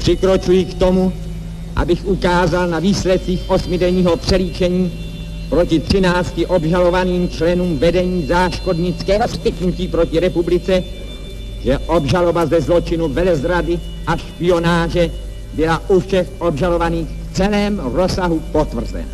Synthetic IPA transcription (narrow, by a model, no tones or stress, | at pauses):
pr̥ɪkɾo̞t͡ʃujɪkt̪o̞mu | ʔa̰bɪxʔukaːzalnaviːslɛt̪̚t͡siːxʔo̞smɪdɛɲiːɦo̞pr̥ɛliːt͡ʃɛɲiː | pɾo̞cɪt̪r̝̥ɪnaːt͡scɪʔo̞bʒalo̞vaniːmt͡ʃlɛnuːmvɛdɛɲiːzaːʃko̞dɲɪt͡skɛːɦospɪk̪nuciːpɾo̞cɪɾɛpublɪt͡sɛ | ʒɛʔobʒalo̞bazɛzlo̞t͡ʃɪnuvɛlɛzɾadɪ | ʔaʃpɪo̞naːʒɛ | bɪlaʔufʃɛxʔo̞bʒalo̞vaniːxft͡sɛlɛːmɾo̞saɦupo̞t̪vr̩zɛ̰na̰